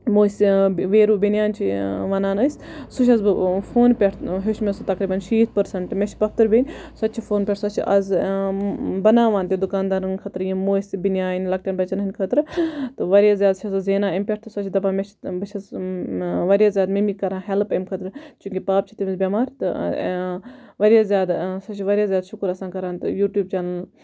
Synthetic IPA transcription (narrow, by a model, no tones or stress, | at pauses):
moːsʲiʋeːɾuːbinjaːnʲt͡ʃʰiʋɐnaːnəːsʲsuʃʰɐzfʰoːnpʲeʈʰɦuʃmʲesɨt̪ɐkɾiːbɐnʃiːt̪ʰpɐɾsɐɳʈmʲet͡ʃpɐkt̪ɨɾbʲenʲsɐt̪ːt͡ʃʰifoːnpʲeʈʰsɐt͡ʃʰiʔɐz | bɐnaːʋaːnt̪ʲid̪ukaːnd̪aːɾɨnkʰɐt̪ɾɨjimoːsʲibinjaːnʲlɐk̚ʈʲjaːnbɐt͡ʃɐnɨnʲkʰɐt̪ɾɨt̪ɨʋɐɾʲjaːzʲjaːd̪t͡ʃʰɐsɨzeːnaːɐmʲpʲeʈʰt̪ɨsɐt͡ʃʰid̪ɐbaːmʲet͡ʃʰbɐt͡ʃʰɐs | ʋɐɾjaːzjaːd̪mimikːɐɾaːnɦelpɐmkʰɐt̪ɾɨt͡ʃuŋkʲipaːp̚t͡ʃʰi̥t̪imizbʲɐmaːɾt̪ɨ | ʋɐɾʲjaːzʲjaːd̪sɐt͡ʃʰiʋɐɾʲjaːzʲjaːd̪ʃukɾɐsaːnkɐɾaːnt̪ɨjuːʈjuːb̚t͡ʃaːnɐl